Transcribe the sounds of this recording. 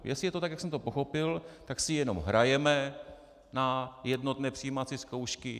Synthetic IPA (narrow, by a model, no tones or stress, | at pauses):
jɛsɪjɛt̪ot̪akjaksɛmt̪o̞po̞xo̞pɪlt̪aksɪjɛno̞mɦɾajɛmɛ | najɛdno̞t̪nɛːpr̥ɪjiːmat͡siskowʃkɪ